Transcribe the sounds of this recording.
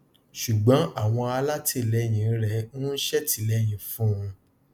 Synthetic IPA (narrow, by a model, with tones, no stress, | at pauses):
ʃu˨ɡ͡bɔ̃˨˦a˦˨w̃ɔ̃˧a˧la˦ti˦˨lɛ˨˦j̃ĩ˨n̩˦ɾɛ˧˦nũ˦n̩˦ʃɛ˦ti˨˦lɛ˦j̃ĩ˨fũ˦ũ˧